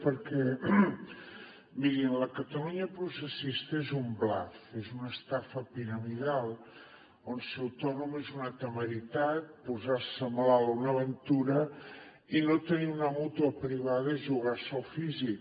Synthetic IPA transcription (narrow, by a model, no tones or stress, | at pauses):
pəɾkɛ | miɾinləkət̪əluɲəpɾusəsist̪əezumbla̰θezunəst̪afəpiɾəmiðalˠ | onseɐwt̪ɔnumezunat̪əməɾit̪at̪̚puzaɾsəmlalunəβənt̪uɾə | inot̪əniunəmut̪uəpɾiβ̞aðəiʒuɣaɾsəlˠfizik